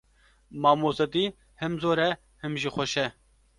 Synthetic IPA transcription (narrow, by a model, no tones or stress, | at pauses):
maːmoːsɐt̪iː | hɛmzoːɾɛ | hɪmʒixoʃɛ